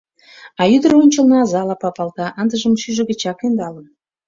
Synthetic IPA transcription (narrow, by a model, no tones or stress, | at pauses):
ɑjyd̪ə̆ronʲt͡ɕəlnɑɑzɑlɑpɑpɑlt̪ɑʔənd̪ə̆ʒə̆mʃyʒə̆ɣə̆t͡ɕɑkend̪ɑlə̆n